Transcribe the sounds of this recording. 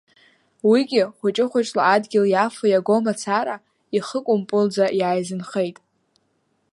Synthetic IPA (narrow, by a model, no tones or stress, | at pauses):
wiɡʲɪχʷʊt͡ʃʼɪχʷʊt͡ʃʼlaːdɡʲɪljafajaɡo̞mat͡sʰaɾa | iχəkʷʼʊmpʼʊld͡zajaːjzɨnχe̞jtʼ